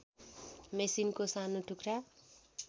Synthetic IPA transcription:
mesinkosanuʈʰukɾa

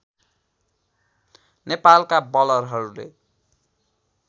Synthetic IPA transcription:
nepalkabʌlʌrɦʌɾulḛ

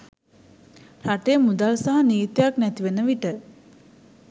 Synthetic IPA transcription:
ɾaʈejmud̪alsaɦaniːt̪jaknæt̪iʋenəʋiʈə

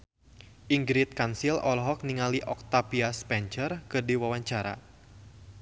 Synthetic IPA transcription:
ʔiŋɡɾit̪̚kansilɔlɦɔk̚niŋaliʔɔk̚t̪apiaspɛnt͡ʃərkɨrdiwawaɲt͡ʃaɾa̰

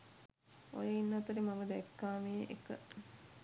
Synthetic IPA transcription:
o̰jeinːɐt̪uɾimamɐd̪ɛkːaːmeʔḛkə̰

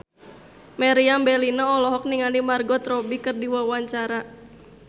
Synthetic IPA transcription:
mɛɾiambɛlinaɔlɔɦɔk̚niŋanimarɡɔt̪ɾɔbikɨrdiwawaɲt͡ʃaɾa

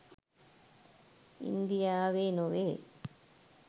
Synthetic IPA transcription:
ḭnd̪ijaːʋenoʋeː

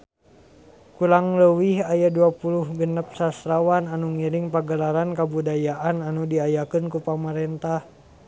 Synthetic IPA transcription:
kulaŋləwihajaduapuluhɡənəp̚sasɾawananuŋiɾiŋpaɡəlaɾankabudajaʔananudiajakənkupamaɾɛnt̪ah

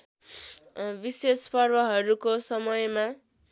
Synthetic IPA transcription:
bisespʌrbʌɦʌɾukosʌmʌjma

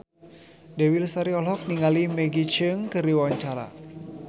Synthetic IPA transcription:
dɛwilsaɾiɔlɦɔk̚niŋalimɛɡit͡ʃəŋkɨɾiwawaɲt͡ʃaɾa̰

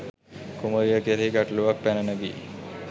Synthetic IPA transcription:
kuməɾijəkeɾeiɡaʈluʋak̚pɛnənəbḭː

